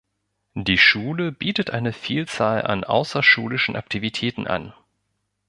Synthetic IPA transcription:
diːʃuːləbiːtətʔaɪnəfiːlt͡saːla̰nʔa̰ʊsɐʃuːlɪʃn̩ʔa̰k̚tʰivitʰɛːtn̩ʔa̰n

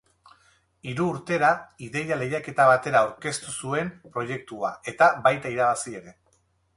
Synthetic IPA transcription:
iɾuːɾt̪e̞ɾaiðe̞jale̞jake̞t̪aβat̪e̞ɾaːwɾke̞st̪usue̞mpɾo̞je̞k̚t̪uae̞t̪abajt̪aiɾaβasie̞ɾe̞

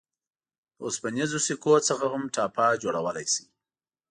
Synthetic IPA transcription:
o̰spənizosikot͡səxahʊmʈɑpad͡ʒoɽawəlajsi̥

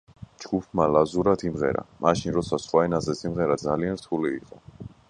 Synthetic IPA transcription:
d͡ʒɡ̥upʰmalazuɾat̪ʰimʁɛ̰ɾa̰maʃinɾɔt̪sʰasχwaɛnazɛsimʁɛɾad̪zalianɾt̪ʰuliːqʼɔ

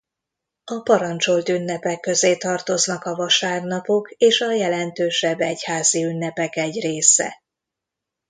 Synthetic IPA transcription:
ɒpɒɾɒnt͡ʃo̞lt̪ynːɛpɛkːø̞zeːt̪ɒrt̪o̞znɒkɒvɒʃaːrnɒpo̞keːʃɒjɛlɛnt̪øːʃɛbːɛchaːziynːɛpɛkɛɟreːsɛ̰

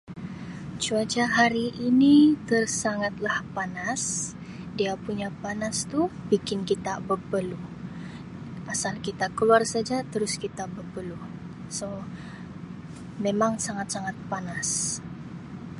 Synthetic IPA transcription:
t͡ʃuad͡ʒaɦaɾiʔːnit̪ərsaŋat̪̚lahpanas | diapuɲapanast̪ubikɪnkit̪abəpəlu | ʔasalkit̪akəluarsad͡ʒat̪əɾʊskit̪abəpəlu | so | memaŋsaŋat̪̚saŋat̪̚panas

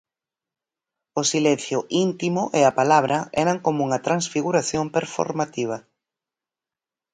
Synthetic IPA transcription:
ʊsilɛn̟θjʊʔint̪imʊʔɪapalaβ̞ɾɐɛɾɐŋkomouŋɐt̪ɾansfiɣuɾaθjompeɾfo̰ɾmat̪iβ̞ɐ

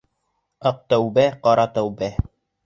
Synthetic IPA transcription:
ɑq̚t̪æwbæqɑɾɑt̪æwbæ

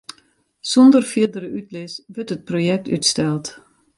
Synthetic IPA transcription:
sɔndərfɪdəɾəytlɪsʋəɹtət̚projɛk̚ty̰tstɛlˠt

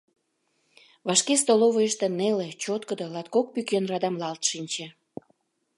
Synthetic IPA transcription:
vɑʃkest̪oloβəjəʃt̪ĕnelet͡ɕot̪kəd̪olɑt̪kok̚pykenrɑd̪ɑmlɑlt̪ʃinʲt͡ɕĕ

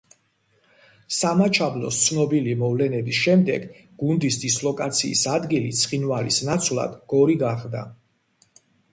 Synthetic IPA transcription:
samat͡ʃʰablɔ̰st̪sʰnɔbilimɔvlɛnɛbisʃɛmd̪ɛ̰ɡ | ɡ̥und̪isd̪islˠɔkʼat̪sʰḭːsad̪ɡilit̪sʰχinvalḭsnat̪sʰvlˠa̰d̪̥ɡ̥ɔɾiɡaχd̪a̰

